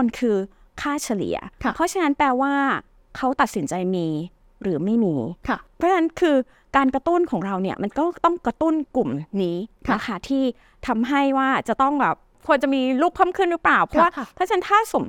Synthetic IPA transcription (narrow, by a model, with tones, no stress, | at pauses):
nkʰɯː˧ | kʰaː˥˩t͡ɕʰa˧lḭ˩˦ɐ̰˧˩pʰɔ˦˥t͡ɕʰa˥na˦˥npɛː˧waː˥˩ | kʰa˦˥wt̪a˨˩t̪̚si˩˦nt͡ɕa˧jmiː˧ | ɾɯː˩˦ma˥˩jmiː˧˩pʰɾɔ˦˥na˦˥nkʰɯː˧ | kaː˧nkɾa˧t̪u˥˩nkʰɔː˩˦ŋɾa˧wni˥˩ɐma˧nkɔː˥˩t̪ɔ˥˩ŋkɾa˧t̪u˥˩nku˨˩mniː˦˥a˦˧˩kʰaː˦˥˩t̪ʰiː˥˩ | t̪ʰa˧mɦa˥˩jwaː˥˩t͡ɕa˨˩t̪ɔ˥˩ŋbɛː˨˩p̚ | kʰu˧ənt͡ɕa˨˩miː˧luː˥˩p̚ʰːɤː˥˩mkʰɯ˥˩nɾɯ˦˥plaː˨˩wpʰɔ˦˥waː˥˩t̪ʰaː˥˩t͡ɕʰa˦˥nt̪ʰaː˥˩so˩˦m